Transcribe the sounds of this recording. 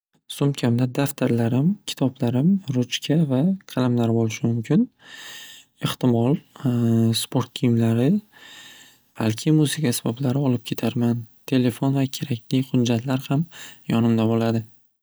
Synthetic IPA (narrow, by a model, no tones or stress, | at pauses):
sʊmkʲʰamd̪ad̪aft̪ʰaɾlaɾɪmkʲʰɪ̥t̪ʰɒblaɾɪmɾʊt͡ʃkʲʰavakʰɑlamlaɾbolɪʃɪmʊmkʲʰɪn | eht̪ɪmɒlˠ | spʰo̞ɾt̪̚kʰijɪmlaɾɪ | b̥alkʲʰɪmuzɪkʲʰasɪbɒblaɾɪɒlɪp̚kʲʰe̞t̪ʰaɾmant̪ʰe̞le̞fonvakʲʰe̞ɾakʲlɪχʊd̪d͡ʒat̪ʰlaɾhamjɒnɪmd̪abolad̪ɪ